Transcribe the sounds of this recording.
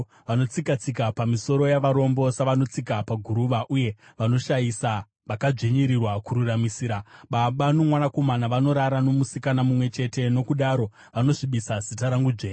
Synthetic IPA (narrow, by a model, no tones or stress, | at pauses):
ʋano̞t͡sikat͡sikapamiso̞ɾo̞jaʋaɾo̞mbo̞saʋano̞t͡sikapaɡʱuɾuʋaʔuje̞ʋano̞ʃajisa | ʋakad͡ʐeɲiɾirwakuɾuramisiːɾaɓaɓanomwanako̞manaʋano̞ɾaɾano̞musikanamumwe̞t͡ʃe̞te̞no̞kuɗaɾo̞ | ʋano̞ʐiɓisazitaɾaŋɡud͡ʒeː